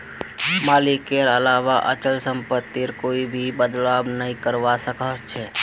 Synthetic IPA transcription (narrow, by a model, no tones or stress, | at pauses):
maːlɪkeɾəlaːʋaʔə̰t͡ʃəlsə̃mpət̪ːiɾkoːibʱibəd̪laːbnəɦĩkəɾʋasəkət͡ʃʰɛː